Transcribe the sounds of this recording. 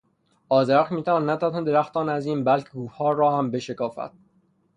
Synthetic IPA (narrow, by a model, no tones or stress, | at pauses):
ɒːzeɾæxmiːt̪ʰævɒːnːæt̪ʰæthend̪eɾæxt̪ɒːnæziːnbælcʰeɡuːɒːrɒːhæmbe̞ʃekɒːfæ̰t̪̚